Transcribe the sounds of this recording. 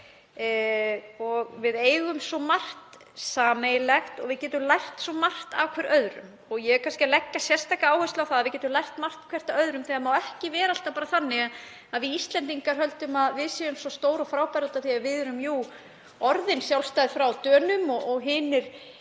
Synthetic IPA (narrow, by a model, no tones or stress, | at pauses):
ɔɣvɪðeːjɣʏmsɔmar̥t̪ | saːmejlɛxt̪ɔ̰ɣvɪðcɛːt̪ʏmlajrt̪sɔmar̥t̪awkʰvɛɾœðɾʏ̰m | ɔɣjɛɛkʰanscɪlɛkːasjɛr̥st̪ajkaaːwhœst̪awθaðaðvɪcɛːt̪ʏmlajht̪mar̥t̪kʰvɛr̥t̪aœðɾʏmθɪɣamaːwɛhcɪvɛːɾalt̪apaːɾaθanːɪɣa | aðvɪist̪lɛnt̪iŋkaɾ̥hœlt̪ʏmaðvɪðsɛʏmsɔst̪oːwɾɔfɾaːwpajɾʏt̪aθiaɾvɪðʏɾʏmjuː | ɔɾðɪnsjawlst̪ajðɪfɾawt̪œːnʏmɔʔɔɣɦɪːnɪɾ̥